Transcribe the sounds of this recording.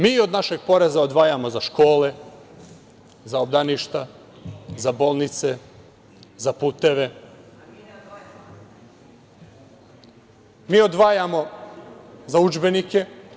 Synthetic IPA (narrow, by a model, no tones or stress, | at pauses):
miːo̞d̪naʃe̞ɡ̚po̞ɾezao̞d̪ʋaːjamo̞zaʃko̞ːle̞ | zaobd̪aniʃt̪a | zabo̞lˠnit̪se | zapuːt̪eʋe̞ | miːo̞d̪ʋaːjamo̞ | zaud͡ʒbe̞nike̞